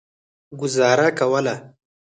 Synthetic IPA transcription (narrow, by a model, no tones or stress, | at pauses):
ɡʊzɑːɾakawəla